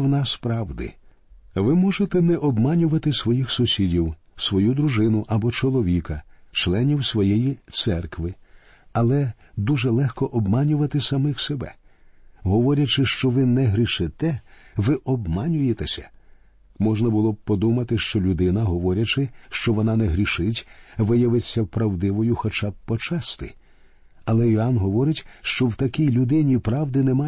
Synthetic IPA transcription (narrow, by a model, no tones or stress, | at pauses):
wnɑspɾɑwd̪ɪ̰ | ʋɪmɔʒet̪ɛnɛʔɔbmɑnʲʊʋɐt̪ɪsʋɔjixsʊsʲidʲiw | sʋɔjud̪ɾuʒɪnʊʔɐbɔt͡ʃɔlˠɔʋʲikɐt͡ʃlˠɛnʲiwsʋɔjɛjit̪sɛrkʋɪ | ɐlˠɛ | d̪uʒɛlˠɛxkɔʔɔbmɑnʲʊʋɐt̪ɪsɐmɪxsebɛ̰ | ɦɔʋɔɾʲɐt͡ʃɪʃt͡ʃɔʋɪnɛɦɾʲiʃɪt̪ɛʋɪʔɔbmɑnʲʊjet̪esʲɐ̥ | mɔʒnɐbʊlˠɔb̚pɔd̪umɐt̪ɪʃt͡ʃɔlʲʊd̪ɪnɐɦɔʋɔɾʲɐt͡ʃɪʃt͡ʃɔʋɔnɑnɛɦɾʲiʃɪtʲʋɪjɐʋɪt͡sʲːɐpɾɐwd̪ɪʋɔjʊxɔt͡ʃab̚pːɔt͡ʃast̪ɪ̰ | ɐlˠɛɔɑnɦɔʋɔɾɪtʲʃt͡ʃɔwt̪ɐkʲijlʲʊd̪ɪnʲipɾɑwd̪ɪnɛmɑ